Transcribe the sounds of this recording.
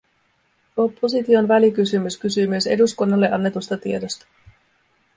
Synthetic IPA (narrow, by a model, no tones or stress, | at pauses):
o̞pːo̞s̬it̪io̞nʋælikysymyskysyːmyøse̞duskunːɑlːeʔɑnːe̞t̪ust̪ɑt̪iedo̞st̪ɑ̥